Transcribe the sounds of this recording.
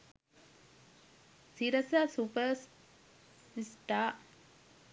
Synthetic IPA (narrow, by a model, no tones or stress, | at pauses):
siɾɐsasupəɾs | sʈaː